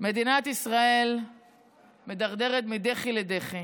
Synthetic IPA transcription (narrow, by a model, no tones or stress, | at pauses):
me̞d̪inat̪isʁae̞l | me̞d̪aʁd̪e̞ʁet̪mid̪eχiled̪eχi